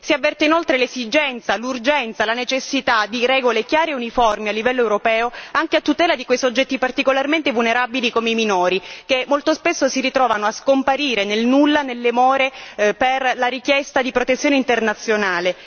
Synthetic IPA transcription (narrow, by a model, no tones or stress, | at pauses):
siavːɛrt̪einolt̪ɾelesid͡ʒɛnt̪salurd͡ʒɛnt̪salanet͡ʃesːit̪ad̪iɾɛːɡolekjaːɾeunifɔrmialːivɛlːoɛwɾopɛːoaŋkeat̪ːut̪ɛːlad̪ikwejsod͡ʒːɛt̪ːipart̪ikolarment̪evulneɾabilikomeiminoːɾikemːolt̪ospesːosiɾit̪ɾɔːvanoaskompaɾiːɾenelnulːanelːemoːɾeperlaɾikjɛst̪ad̪ipɾot̪et̪sjoːneint̪ernat̪sːjonaːle